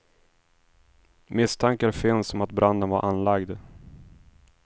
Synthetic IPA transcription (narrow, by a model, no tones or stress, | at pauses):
mɪst̪ʰaŋkaɾfɪnsɔmat̪̚bɾand̪ənvaɾʔanlaɡd̪